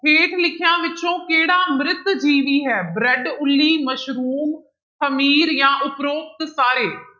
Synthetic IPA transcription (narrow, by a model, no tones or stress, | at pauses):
pʰeːʈʰlɪkʰɪjãːʋɪt͡ʃõːkeːɽaːmɾɪt̪d͡ʒiːʋiːɦɛːbɾɛɖʊlːiːməʃɾuːm | t̪ʰəmiːɾjãːʔʊpɾoːp̚t̪saːɾeː